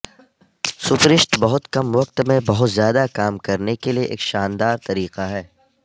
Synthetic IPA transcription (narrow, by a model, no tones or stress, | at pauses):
sʊpɾɪʃʈbɐɦʊt̪kɐmʋɐq̚t̪mẽbɐɦʊt̪zjaːd̪akaːmkɐɾnekelieʔḛːkʃaːnd̪aːɾt̪ɐɾiːqaɦɛː